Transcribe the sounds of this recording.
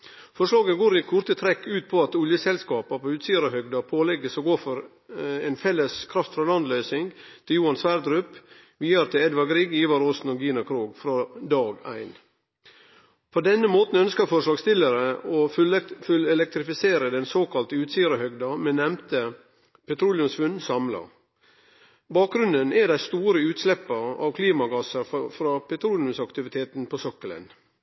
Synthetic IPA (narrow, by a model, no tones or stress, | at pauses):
fɔʂlɑːɡəɡoːɾɪkʰʊɾt̪ət̪ʰɾɛkːʉːt̪̚pʰɔɑt̪ʊljəsɛlskɑːpɑpʰɔʉːt̪siːəɾəhœɡd̪ɑpʰoːlɛɡːəsɔɡoːfɔɾ | eːnfɛlːəskʰɾɑft̪fɾɔlɑnd̪lœʏsɪŋt̪ʰɪljuːɑnsʋæːɾd̪ɾʉp | ʋiːəɾt̪ʰɪɛd̪ʋɑɡɾiːɡiːʋɑɾoːsn̩ɔɡiːnɑkʰɾuːɡfɾɑd̪ɑːɡæɪn | pʰod̪ɛnːəmoːt̪n̩œnskəɾfɔɾʂlɑːɡst̪ɪləɾəofʉlɛlɛk̚t̪ɾɪfɪseːɾəd̪ɛnsoːkɑlt̪əʉːt̪siːəɾəhœɡd̪ɑmɛnɛmt̪ə | pʰɛt̪ʰɾuːljʉmsʋʉnsɑmlɑ̰ | bɑːk̚ɡɾʉnd̪ənɛɖæɪst̪uːɾəʉːt̪slɛpːɑɑ̰ːʋkʰliːmɑɡɑsəɾfɾɑːpʰɛt̪ʰɾuːljʉmsɑkt̪ɪʋɪt̪ʰeːt̪n̩pʰosɔkːələ̰n